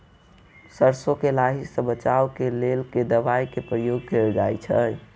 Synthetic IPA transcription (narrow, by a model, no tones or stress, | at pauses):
səɾsokelaɦisə̃bət͡ʃawkelelked̪əbajkepɾəjoɡ̚keld͡ʒa̰jt͡ʃʰə